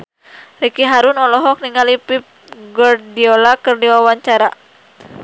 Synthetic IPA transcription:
rikiɦaɾunɔlɔɦɔk̚niŋalipip̚ | ɡɔrdiɔlakɨrdiwawaɲt͡ʃaɾa

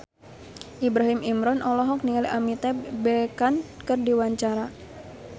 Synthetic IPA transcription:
ʔibɾaɦimimɾɔnʔɔlɔɦɔk̚niŋaliʔamit̪ɛbɛkankərdiwaɲt͡ʃaɾa

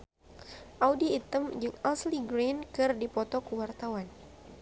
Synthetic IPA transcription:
ʔawdiːt̪əmd͡ʒɨŋasliɡɾinkɨrdipɔt̪ɔkəwart̪awan

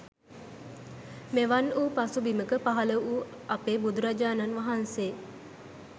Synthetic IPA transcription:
meʋanuːpasubiməkəpaɦaləʔuː | apeːbud̪uɾad͡ʒaːnanʋaɦanseː

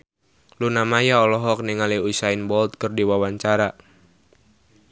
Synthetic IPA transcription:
lunamajaɔlɔɦɔk̚niŋaliusainbɔlt̪̚kərdiwawaɲt͡ʃaɾa

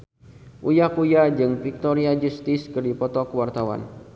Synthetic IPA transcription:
ʔujahkujad͡ʒɨŋfik̚t̪ɔɾiad͡ʒust̪ɪskɨrdipɔt̪ɔkəwart̪awa̰n

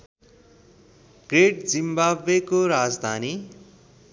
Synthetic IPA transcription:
ɡreʈ̚d͡zimbabekoɾad͡zd̪ʱani

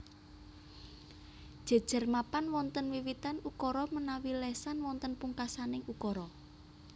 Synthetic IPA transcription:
d̥ʒ̥a̤d̥ʒ̥ə̤rmapanwɔnt̪ənwiwit̪anukɔɾɔmənawilɛsanwɔnt̪ənpuŋkasanɪŋukɔɾɔ

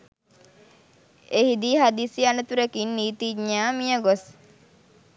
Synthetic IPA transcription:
ehid̪iːɦad̪isianət̪uɾekinːiːt̪iɲaːmijəɡos

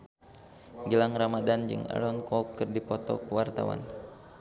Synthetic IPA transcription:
ɡilaŋramadand͡ʒɨ̰ŋa̰lɔnkɔkːɨrdipɔt̪ɔ̰kəwart̪a̰wa̰n

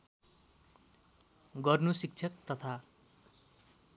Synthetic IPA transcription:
ɡʌrnusik̚t͡sʰʌkt̪ʌt̪ʰa

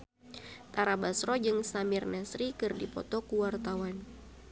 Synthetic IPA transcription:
t̪aɾabasɾɔd͡ʒɨŋsamirnasɾikɨrdipɔ̰t̪ɔkuwart̪awan

